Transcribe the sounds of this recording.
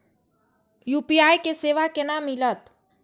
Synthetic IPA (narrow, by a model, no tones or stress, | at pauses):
juːpiaːjkeseːʋakenamɪlət̪